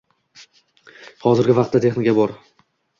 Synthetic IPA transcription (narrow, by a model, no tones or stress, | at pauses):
hɒzɪɾɡʲɪvɑqt̪ːat̪ʰe̞χnɪkʲabɒɾ